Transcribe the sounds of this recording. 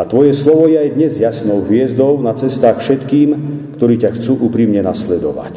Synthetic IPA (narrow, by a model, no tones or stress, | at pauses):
at̪ʋɔjɛslɔʋɔjɛajd̪ɲɛzjasnɔʊɦʋɪɛzd̪ɔʊnat͡sɛst̪aːxfʃɛt̪kiːmkt̪ɔɾiːcaxt͡suːʔuːpɾimɲɛnaslɛd̪ɔʋa̰c